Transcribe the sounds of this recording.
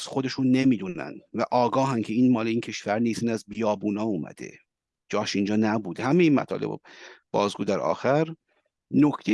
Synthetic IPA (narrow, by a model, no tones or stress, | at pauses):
sxo̞d̪e̞ʃunːemiːd̪unæ̰nvæʔɒːɡɒːɦæncʰe̞iːnmɒːleiːncʰe̞ʃvæɾniːsiːnæzbijɒːbuːnɒːumæ̰d̪̥e̞̰ | d͡ʒɒːʃind͡ʒɒːnæbuːd̪hæmejiːnmæ̰t̪ʰɒ̰ːlʔebo̰b̥ɒːzɡuːd̪æɾɒ̰ːxæɾ | nocʰt̪ʰe